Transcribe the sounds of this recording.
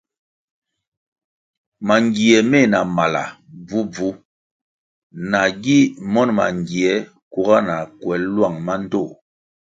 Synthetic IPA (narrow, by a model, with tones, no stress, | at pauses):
ma˨ŋɡi˨ɛ˨me˦˨na˨ma˨la̰˨b͡vu˦b͡vu˦ | na˨ɡi˦mɔ˦nma̰˨ŋɡi˨ɛ˨˦ | ku˨ɡa˦na˨kwɛ˨˦llwa˦˨ŋma˦n̩˦to˦˨